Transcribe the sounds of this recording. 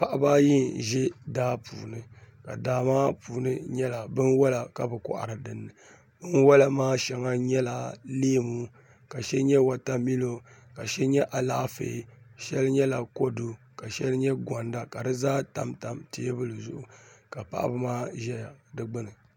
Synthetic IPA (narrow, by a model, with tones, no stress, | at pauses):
pa˨ʔa˦baː˦ji˦nʒɛ˦daː˦pṵː˨nɨ˨ka̰˨daː˨maː˦puː˨nɨ˦ɲɛ˦la˨bɨ˦nwɔ˦la˨ka˨bɨ˨kʊ̰˨ʔa̰˨ɾɨ˨dɨ˨nːɨ˨ | bɨ˦nwɔ˦la˨maː˦ʃɛ˨ŋa˦ɲɛ˦la˨leː˦mu˦ | ka˨ʃɛ˦ɲɛ˦wa˨ta˦mi˦lo˦ | ka˨ʃɛ˦ɲɛ˦ʔa˨laː˦fḛ˨˦ʃɛ˦lɲɛ˦la˨ko˦du˦ | ka˨ʃɛ˦lɲɛ˦ɡʷɔ˨nda˦ka˨dɨ˦zaː˦ta̰˨mta˨mte˦bɨ˦lɨ˨zʊ˦ʔʊ˨ka˨pa̰˦ʔa̰˦bɨ˦maː˦ʒɛ˦ja˨dɨ˦ɡ͡bɨ˦nɨ˨